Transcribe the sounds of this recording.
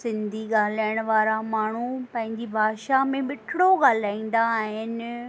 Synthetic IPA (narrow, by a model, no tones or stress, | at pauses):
sɪ̃nd̪ʱiɡaːl̤aːjəɽ̃ʊʋaːɾamaːɳ̤upɐ̃ɦɪ̃ɲd͡ʑibʱaːʃamẽmɪʈʰɪɽoɡaːl̤aːĩːn̆d̪aːɦɪn̆